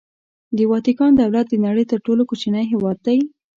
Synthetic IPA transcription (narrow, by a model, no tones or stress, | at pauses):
d̪əwɑt̪ikɑnd̪awlat̪̚d̪ənaɽəjt̪əɾʈolokot͡ʃanəjɦewɑd̪̚ːaj